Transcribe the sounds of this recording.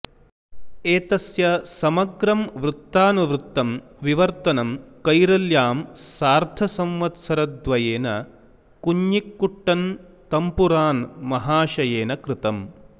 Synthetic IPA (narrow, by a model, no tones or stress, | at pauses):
eːt̪ɐsjɐsɐmɐɡɾɐmʋɾut̪ːaːnuʋɾut̪ːɐm | ʋiʋɐɾt̪ɐnɐmkɐjɾɐljaːmsaːɾt̪ʰɐsɐmʋɐt̪sɐɾɐd̪ʋɐjeːnɐ | kuɲjikːuʈːɐn | t̪ɐmpuɾaːnmɐɦaːʃɐjeːnɐkɾɪt̪ɐm